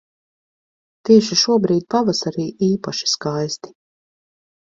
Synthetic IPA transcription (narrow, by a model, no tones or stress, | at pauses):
t̪iɛʃiʃuɔbɾiːd̪̚pavasaɾiːʔiːpaʃi̥skajst̪i̥